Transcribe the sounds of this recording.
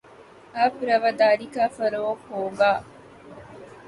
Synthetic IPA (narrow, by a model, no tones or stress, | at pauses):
aːpɾɐʋɐd̪aːɾikaːfɐɾɐokoːɡaː